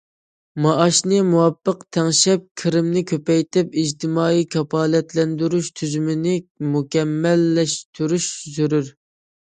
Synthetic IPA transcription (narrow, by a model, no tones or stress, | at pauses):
mɑʔɑʃnɨmuwɑpːəqt̪ʰɛŋʃɛp̚kʲʰɪɾɪmnɪkʲʰøpɛjt̪ʰɪp̚id͡ʒt̪ʰɪmɑːikʰʲɑpɑːlɛt̪lɛnd̪yɾyʃt̪ʰyzymɪnɪmukʲɛmːɛlːɛʃt̪ʰyɾyʃzyɾyɾ